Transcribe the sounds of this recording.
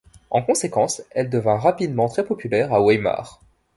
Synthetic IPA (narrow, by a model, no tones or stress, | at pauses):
ɑ̃kɔ̃sekɑ̃sɛld̪əvɛ̃ʁapid̪mɑ̃t̪χɛpɔpylɛʁawɛjma̰ːʁ